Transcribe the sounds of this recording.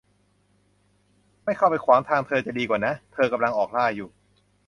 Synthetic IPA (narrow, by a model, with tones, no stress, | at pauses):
ma˥˩jkʰa˥˩wpa˧jkʰwaː˩˦ŋt̪ʰaː˧ŋt̪ʰɤː˧t͡ɕa˨˩diː˧kwaː˨˩na˦˥t̪ʰɤː˧ka˧mla˧ŋʔɔː˨˩k̚laː˥˩juː˨˩